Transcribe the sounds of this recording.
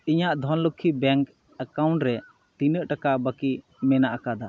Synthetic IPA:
iɲaʔd̪ʱɔnləkʰːibɛŋk | əkawɳʈɾɛ | t̪inəʔʈakabəki | mɛnaʔakad̪a

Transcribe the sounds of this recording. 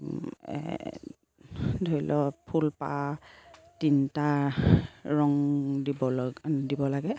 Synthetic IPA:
dʱojlʔɔpʰulpa̰ | tinta | ɹɔŋdibɔdibɔlaɡɛ

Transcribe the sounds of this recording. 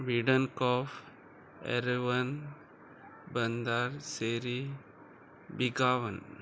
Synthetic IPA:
ʋiɖɐnkɔːf | ɛ̰ɾʋɐn | bɐnd̪aːɾseːɾi | biɡaːʋɐn

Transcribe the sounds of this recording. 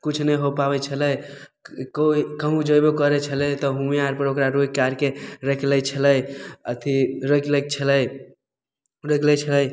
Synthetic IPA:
kut͡ʃʰnəjɦopabɛt͡ʃʰələj | koikəɦũd͡ʒəjbekəɾɛt͡ʃʰəlɛt̪ɔɦumeaɾpəɾokɾaɾojkaɾkeɾəkʰləjt͡ʃʰələjət̪ʰiɾəklək̚t͡ʃʰələ | ɾəklɛt͡ʃʰələj

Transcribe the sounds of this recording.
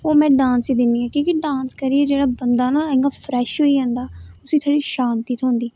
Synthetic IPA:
oːmɛ̃ːɖãːnsiːd̪ɪnːiːaːkõːkiɖãːnskəɾiːɛːd͡ʒeːɽaːbənd̪aːnaːɛ̃ŋɡaːpʰɾɛːʃɦoːiːɦɛ̃ːnd̪aːʊsiːt̪ʰoːɽiːʃaːnt̪iːt̪ɦõːnd̪iː

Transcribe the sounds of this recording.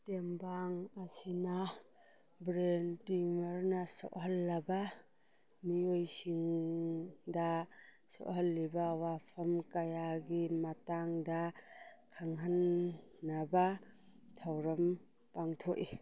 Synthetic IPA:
tembaŋɐsina | bɾentimɐɾnɐsɔ̰ʔɦɐlːɐbɐ | miojsiŋ | da | sɔ̰ʔɦɐlːibɐwapʰɐmkɐjaɡimɐtaŋdakʰaŋɦanː | abatʰawɾɐm | paŋtʰoʔi

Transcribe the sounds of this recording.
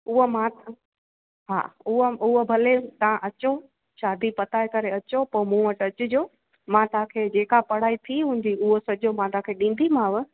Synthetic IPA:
ʊɦomãt̪ | ɦa̰ːʊɦəʊɦobʱɐlet̪ɐãʔɐt͡ɕo | ʃaːd̪ʱipɐt̪aːekɐɾeɐt͡ɕopɐmũːʋəʈɐt͡ɕʊ̆d͡ʑoː | mãt̪ɐãkʰeːd͡ʑeːkapɐɽ̤aːit̪ʰiɦũːn̆d̪iʊɦosɐd͡ʑomãt̪ɐãːkʰeɗĩːn̆d̪ʱimãːʋ̆

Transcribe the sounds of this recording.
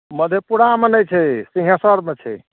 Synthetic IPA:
məd̪ʱjepuɽ̤amenəjt͡ʃʰɛsĩɦjasəɾmet͡ʃʰɛ̰

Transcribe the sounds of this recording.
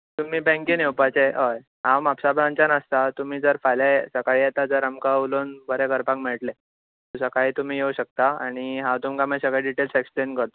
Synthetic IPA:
t̪um̤iːbɛ̃ŋkinewpat͡seɦəj | ɦãwmapsabʱɾãnt͡ɕanast̪at̪um̤iːd͡zəɾfajlasəkaɭiːjet̪ad͡zəɾamkauloːnbəɾekəɾpãŋkmeɭʈle | t̪səkaɦiːt̪um̤iːjeuɕək̚t̪aaɽ̃iɦãwt̪umkamasəɡaɖiʈelseksplenkəɾt̪o

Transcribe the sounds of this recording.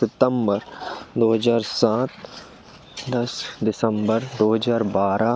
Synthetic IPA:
sɪt̪əmbəɾd̪oːɦəzaːɾsãːt̪̚ʰ | d̪ɐsd̪ɪsə̃mbəɾd̪oːɦəzaːɾbaːɾa

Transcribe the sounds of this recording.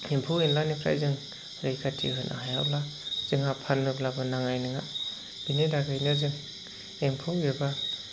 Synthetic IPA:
empʰɯwenlanikʰɾa̰jzɯŋ | ɾɯjkʰatʰḭɦɯnʔa̰ɦajablaz̥ɯŋapʰanmɯblabanaŋajnɯŋa̰ | b̥ineɾaɡɯjnɯzɯŋ | empʰɯweba

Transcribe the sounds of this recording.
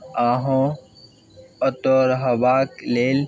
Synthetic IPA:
ãːɦõ | ət̪oɾɦɐbaːkleːl

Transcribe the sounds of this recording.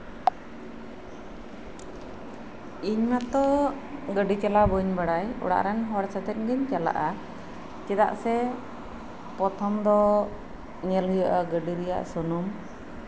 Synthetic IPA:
iɲmat̪ɔ | ɡəɖit͡ʃalabɔɲbaɽajɔ̰ɽa̰ʔɾɛnɦɔɽsat̪ɛt̪̚ɡəɲt͡ʃala̰ʔa | t͡ʃɛd̪a̰ʔsɛ | pɔt̪ʰɔmd̪ɔ | ɲɛlɦujəʔaɡəɖiɾɛja̰ʔsunum

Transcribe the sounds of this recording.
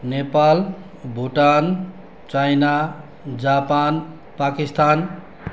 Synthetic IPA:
nepal | bʱuʈan | t͡ʃajna | d͡ʒapan | pakist̪an

